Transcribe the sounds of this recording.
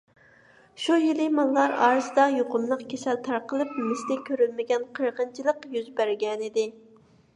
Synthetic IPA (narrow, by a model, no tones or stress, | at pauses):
ʃujilɪmɑlˠːɑɾɑ̰ːɾɨzɨd̪ɑjoqʊmlˠəqkʲʰesɛlt̪ʰɑɾqəlˠɨp̚mɪsɪt̪ɛkʲʰøɾylmɪɡʲɛnqʰəɾʁənt͡ʃʰilˠəqjyzbæɾɡʲɛnɪd̪ɪ